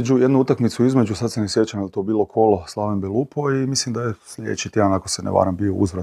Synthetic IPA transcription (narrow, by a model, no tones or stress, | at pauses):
d͡ʒujed̪nuut̪akmit̪suizme̞d͡ʒusad̪senesje̞t͡ʃand̪at̪obiːlˠo̞kʰoloslˠaːʋimbelˠupoimislimd̪ajeslʎʲed̰̪et͡ʃit̪jed̪anakosenḛʋa̰ːɾambioṵzʋɾa